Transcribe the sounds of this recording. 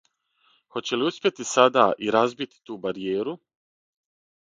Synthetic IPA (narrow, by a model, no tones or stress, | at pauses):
xo̞t͡ɕe̞liuspʲjet̪isad̪aːʔiɾazbit̪i̥t̪uːbaɾije̞ːɾu